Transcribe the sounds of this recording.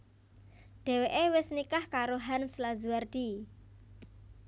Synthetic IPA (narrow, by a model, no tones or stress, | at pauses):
ɖ̪̥ɛ̤weʔewɪsnikahkaɾoɦanslazuard̪̥i